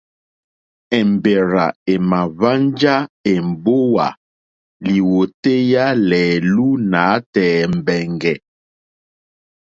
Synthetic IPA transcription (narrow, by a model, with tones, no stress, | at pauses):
ɛ˨m˨be˨ɾa˨e˨ma˨va˦nd͡ʒa˦e˨m̩˨bo˦wa̰˨ | li˨wo˨te˦ja˦lɛː˨lu˦na˨˦tɛː˨m̩˨bɛ˨ŋɡɛ˨